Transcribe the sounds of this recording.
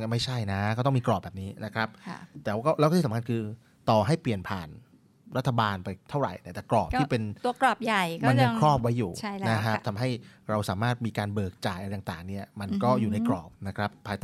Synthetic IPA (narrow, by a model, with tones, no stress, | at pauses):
ma˥˩jt͡ɕʰa˥˩jna˦˥kɔː˥˩t̪ɔ˥˩mi˧klɔː˨˩p̚bɛː˨˩p̚niː˦˥na˦˥kʰɾa˦˥p̚t̪ɛː˨˩wkɔː˥˩lwk̪ːʰiː˩˦kʰa˧nkʰɯː˧ | t̪ɔː˨˩ɦa˥˩jpli˨˩ənpʰaː˨˩n | ɾa˦˥t̪ʰːa˧baː˧npa˧jt̪ʰa˥˩wɾa̰˨˩jt̪a˧˥˩t̪ɛː˨˩klɔː˨˩p̚t̪ʰiː˥˧˥pe˧nt̪u˧ɐklɔ˨˩p̚ja˨˩jma˧nːɤː˧kʰɾɔː˥˩p̚wa˦˥jːuː˨˩a˥˩jna˦˥kʰɾa˦˥t̪ʰa˧mɦa˥˩jɾa˧wsaː˩˦maː˥˩t̪̚miː˧kaː˧nbɤː˨˩k̚t͡ɕaː˨˩jʔɾj̪a˨˩t̪a̰ː˨˩ŋni˥˩ɐma˧nkɔː˥˩juː˨˩na˧jkɾɔ̰ː˨˩p̚na˦˥kʰɾa˦˥pʰːaː˧jt̪a